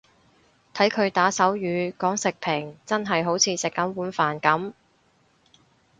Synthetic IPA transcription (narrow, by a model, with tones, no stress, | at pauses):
t̪ʰɐ˨˥jkʰɵ˨˧ɥt̪aː˨˥sɐ˨˥wjyː˨˧kɔː˨˥ŋsɪ˨k̚pʰɪ˨˩ŋt͡sɐ˥nɦɐ˨jɦo˨˥wt͡sʰiː˨˧sɪ˨kːɐ˨˥mwuː˨˥nfaː˨˩nkɐ˨˥m